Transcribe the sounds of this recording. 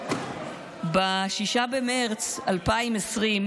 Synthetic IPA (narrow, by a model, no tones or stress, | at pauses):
baʃiʃabemeʁt͡salpaimesʁim